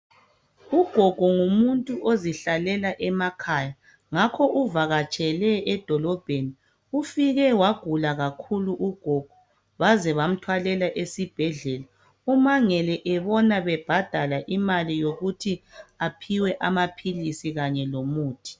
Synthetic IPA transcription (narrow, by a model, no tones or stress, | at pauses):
uɡ̥ʱɔɡ̥ʱɔŋumuntʼuʔoziɬalɛlaʔɛmakʰaja | ŋakʰɔʔuvaɣat͡ʃʼɛlɛːd̥ʱɔlɔb̥ʱeni | ufiɣɛwaɡ̥ʱulaɣakʰuluʔuɡ̥ʱɔɡ̥ʱɔ | βazɛβam̩tʰwalɛlaʔesib̥ʱɛɮɛla | umaŋɛlɛʔɛβɔnaβɛb̥ʱad̥ʱalaʔimalijoɣutʰiapʰiwɛʔamapʰilisiɣaɲɛlomuːtʰi̥